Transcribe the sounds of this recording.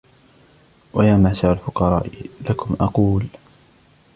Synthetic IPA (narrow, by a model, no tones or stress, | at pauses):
wʔajaːmasaʕalfʊqɑɾˤɑ̰ːʔlakʰʊmʔɑquːl